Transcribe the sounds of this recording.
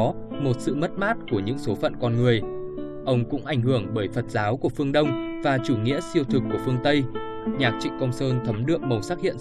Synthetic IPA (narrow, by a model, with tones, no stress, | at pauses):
mo˨˩t̚sɨ̰˧˨mə˦˥t̚maː˦˥t̚ku˧˩əɲɨ̰˧˥ŋso˨˦fə̰˧˨nkɔ˧nŋɨ˨˩əj | ʔə˧wŋ͡mkʊ̰˧˥ŋ͡mʔa˧˩jŋ̟hɨ˧˩əŋɓəː˧˩jfə˨˩t̚zaː˨˦wku˧˩əfɨ˧əŋɗə˧wŋ͡mvaː˨˩t͡ɕu˧˩ŋḭ˧˥əsi˧əwt̪ʰɨ˨˩kːu˧˩əfɨ˧əŋt̪ə˧j | ɲaː˨˩k̚t͡ɕḭ˧˨kɔ˧ŋ͡msəː˧nt̪ʰə˨˦mɗɨ̰˧˨əŋ̚mə˨˩wsaː˦˥t̚hḭ˧˨ə